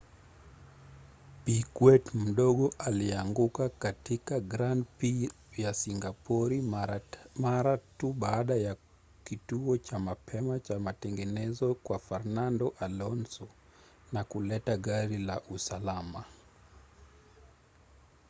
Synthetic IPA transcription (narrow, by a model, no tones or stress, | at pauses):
pikwɛtm̩ɗɔɠɔʔaliaŋɡukakatikaɡɾandpi | jasiŋɡapɔɾi | maɾatuɓaːɗaja | kituɔt͡ʃamapʰɛmat͡ʃamatɛŋɡɛnɛzɔkwafaɾnandɔʔalɔnsɔ | nakulɛtaɠaɾilaʔusalama